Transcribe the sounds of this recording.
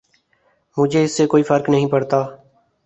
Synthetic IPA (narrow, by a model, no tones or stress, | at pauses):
mʊd͡ʒʱeɪsːekoːifʰəɾknəɦĩːpəɽt̪aː